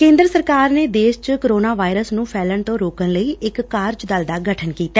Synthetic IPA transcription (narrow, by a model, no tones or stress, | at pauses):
kẽːnd̪ɾəsəɾkaːɾneːd̪eːʃt͡ʃkoɾoːnaːʋaːɪɾəsnũːpʰɛːləɳt̪õːɾoːkənləiːɪkːaːɾd͡ʒd̪ald̪aːɡəʈʰənkiːt̪aː